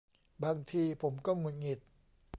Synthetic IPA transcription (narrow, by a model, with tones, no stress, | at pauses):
baː˧ŋt̪ʰiː˧pʰo˩˦mkɔː˥˩ŋu˨˩n̚ŋi˨˩t̪̚